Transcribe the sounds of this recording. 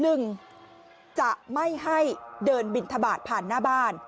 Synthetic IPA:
nɯ˨˩ŋ | t͡ɕa˨˩ʔma˥˩jɦa˥˩jdɤː˧nbi˨˩nt̪ʰa˧baː˨˩t̪̚pʰaː˨˩nːaː˥˩baː˥˩n

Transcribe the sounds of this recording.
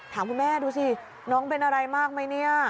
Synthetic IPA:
t̪ʰaː˩˦mkʰu˧nmɛː˥˩duː˧sʰi˧˩ | nɔː˦˥ŋpe˧nʔa˧ɾa˧jmaː˥˩k̚ma˥˩jni˥˩ɐ

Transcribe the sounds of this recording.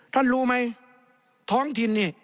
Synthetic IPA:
t̪ʰa˧˥˨nluː˧˩ma˧˥j | t̪ʰɔː˦˥ŋt̪ʰi˧nːiː˧˩

